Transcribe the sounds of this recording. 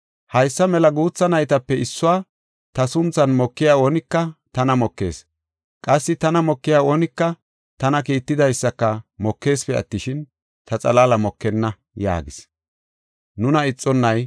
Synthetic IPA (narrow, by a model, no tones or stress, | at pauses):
hɐjsːɐmɛlɐɡuːt͡sːɐnɐjt̪ɐpːɛɪsːʊwaː | t̪ɐsʊnt͡sːɐnmɔkːɪjaːoːnɪkːɐt̪ɐnɐmɔkːe̞̰ːs | kʼɐsːɪt̪ɐnɐmɔkːɪjaːoːnɪkːɐ | t̪ɐnɐkiːt̪ːɪd̪ɐjsːɐkːɐmɔkːe̞ːspɛɐ̰t̪ːɪʃɪn | t̪ʰɐt͡sʼɐ̰laːlɐmɔkːɛnːɐ | ja̰ːɡɪs | nʊnɐɪt͡sʼːɔnːɐj